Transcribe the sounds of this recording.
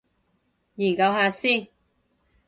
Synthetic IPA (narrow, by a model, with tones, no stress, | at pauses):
ji˨˩nkɐ˧whaː˨˧siː˥˩